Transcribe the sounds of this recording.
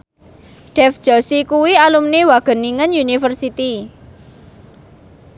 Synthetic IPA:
ɖ̥ɛfd̥ʒ̥ɔsikuwialumnewaɡ̥ə̤niŋənjunifərsit̪i

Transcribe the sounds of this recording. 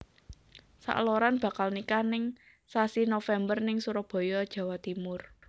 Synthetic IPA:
sa̰ʔloɾanb̥a̤kalnikanɪŋ | sasinofɛmbərnɪŋsuɾɔb̥ɔ̤jɔd̥ʒ̥ä̤wat̪imʊr

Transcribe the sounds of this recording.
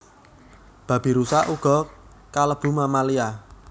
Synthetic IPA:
b̥ä̤b̥i̤ɾusaʔuɡ̥ɔ̤ | kaləb̥ṳmamalia

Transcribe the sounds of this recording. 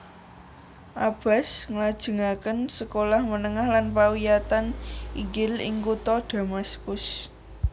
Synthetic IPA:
ʔab̥a̤sŋlad̥ʒ̥ə̤ŋakənsəkolahmənəŋahlanpawijat̪anʔiɡɪlɪ̰ŋkut̪ɔd̥a̤maskʊs

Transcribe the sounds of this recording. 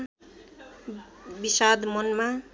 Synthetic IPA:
bisad̪mʌnma

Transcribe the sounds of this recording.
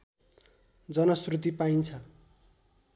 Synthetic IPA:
d͡zʌnʌsrut̪̬ipaint͡sʰʌ

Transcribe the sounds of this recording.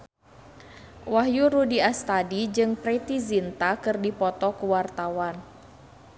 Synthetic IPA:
waɦjuɾudiast̪adid͡ʒɨŋpɾet̪izint̪akɨrdipɔt̪ɔkəwart̪awan

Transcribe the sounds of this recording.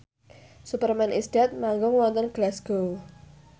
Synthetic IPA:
supərmɛnʔisdɛt̪̚maŋɡʊŋwɔnt̪ɔnɡ̥lasɡ̥o

